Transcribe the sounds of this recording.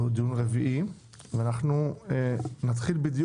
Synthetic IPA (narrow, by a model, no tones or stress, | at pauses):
hud̪ijunʁeviʔi | veanaχnuenat̪χilbid̪j